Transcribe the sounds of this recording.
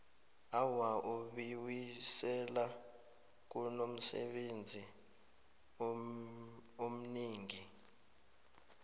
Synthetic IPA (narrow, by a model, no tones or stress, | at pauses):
awaʔuɓiwisɛla | k̬unom̩sɛ̰ɓend͡zʱi | om̩niːŋi